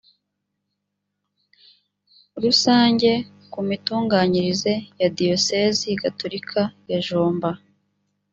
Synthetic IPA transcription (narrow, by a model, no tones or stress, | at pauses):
ɾusaːɲɟe̞ | kumituːŋɡaːɲiɾize̞jadio̞se̞ːziɡatoɾikʰajaʒoːmba